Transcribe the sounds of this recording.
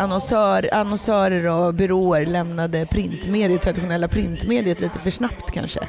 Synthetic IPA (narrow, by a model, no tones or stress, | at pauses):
ʔanɔnsœːɾanɔnsœːɾəɾɔbʏɾoːəɾlɛmnad̪əpʰɾɪnt̪meːd̪ɪət̪ʰɾad̪ɪɧʊnɛlːapʰɾɪnt̪meːd̪ɪət̪liːt̪əfœʂnapt̪kʰa̰nʂə̰